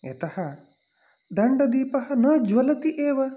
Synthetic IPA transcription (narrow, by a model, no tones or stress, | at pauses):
ɐ̰t̪ɐhɐ | d̪ɐɳɖɐd̪iːpɐɦɐnɐːd͡ʒʋɐlɐt̪iʔeːʋɐ